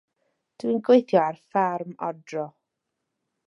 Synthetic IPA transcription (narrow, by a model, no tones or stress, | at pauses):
d̥winɡwejθjɔarfarmɔ̰drɔ